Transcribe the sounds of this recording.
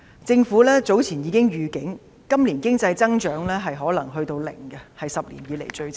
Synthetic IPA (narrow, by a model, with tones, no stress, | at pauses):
t͡sɪ˧ŋfuː˨˥lɛː˥t͡so˨˥wt͡sʰiː˨˩njiː˨˧kɪ˥ŋjyː˨kɪ˨˥ŋ | kɐ˥mliː˨˩nkɪ˥ŋt͡sɐ˧jt͡sɐ˥ŋt͡ʃœː˨˥ŋlɛː˥ɦɐ˨jɦɔː˨˥lɐ˨˩ŋɦɵ˧ɥt̪o˧wlɪ̰˨˩ŋɡɛ˧hɐ˨jsɐ˨p̚lḭː˨˩njiː˨˧le˨˩jt͡ʃɵ˧ɥt͡s